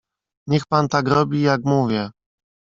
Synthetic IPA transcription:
ɲɛxpant̪aɡɾɔbʲijakmuvʲjɛ

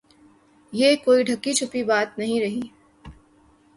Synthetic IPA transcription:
jeːkoːiɖʱɐkːit͡ʃʰʊpibaːt̪nɐɦĩɾɐɦiː

